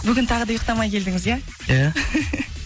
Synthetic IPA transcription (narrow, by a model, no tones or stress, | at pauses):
bʏɡʲɪnt̪ʰɑʁəd̪ɑjəq̚t̪ɑmɑjkʲʰe̞ld̪ɪŋɪzjæ | ja